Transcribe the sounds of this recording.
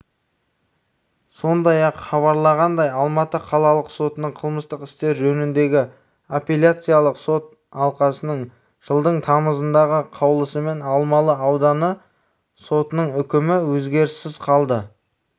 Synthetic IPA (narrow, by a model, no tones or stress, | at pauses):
so̞nd̪ɑjɑqχɑβɑɾlˠɑʁɑnd̪ɑjɑlˠmɑt̪əqʰɑlˠɑlˠəqso̞t̪ənəɴqʰəlˠməst̪əqɪ̥st̪e̞ɾʒɵnɪnd̪e̞ɡʲɪ | opʲelʲjat̪sɨjalˠəqso̞t̪̚ | ɑlˠqɑsənəɴ | ʒ̥əlˠd̪əɴt̪ʰɑməzənd̪ɑʁəqʰɑwlˠəsəme̞nɑlˠmɑlˠəɑwd̪ɑnə | so̞t̪ənəɴʏkʲɪmɪwɵzɡʲe̞ɾɪsːɪz̥qʰɑlˠd̪ə